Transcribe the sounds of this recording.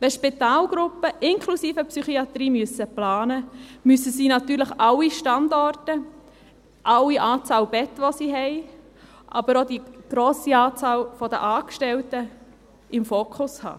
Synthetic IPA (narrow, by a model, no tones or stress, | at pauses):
ʋɛʃpit̪ɑːlɡ̥ɾʊpːəʔɪŋkʰlusiːfəpsyχiɑt̪ɾiːmyəsəplɑːnəmysəsiːnɑt̪yːɾləχɑliʃtɑndɔrtə | ʔɑwiʔɑːt͡sɑːlbɛt̪ʋosiɦɛɪ | ʔɑbəɾod̪iɡ̥ɾoːsiɑːt͡sɑːlfɔd̪ə̰ʔɑːkʃtɛltə | ɪmfoːkʰʊshɑ̰ː